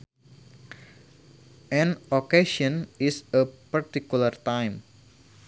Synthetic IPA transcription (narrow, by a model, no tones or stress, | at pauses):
ʔɛ̃nokeʃɔ̃nisəpart̪ikulart̪ajm